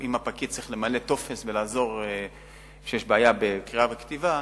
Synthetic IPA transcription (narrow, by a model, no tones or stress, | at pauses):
imapakit͡sʁiχle̞male̞t̪o̞fe̞svelaːzo̞ʁ | ʃejeʃbeaːjabekʁiavekt̪iva